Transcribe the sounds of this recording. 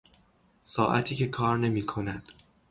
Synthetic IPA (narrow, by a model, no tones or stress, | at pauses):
sɒːʔæ̰t̪ʰiːcʰe̞kʰɒːɾne̞miːkʰo̞næd̪̥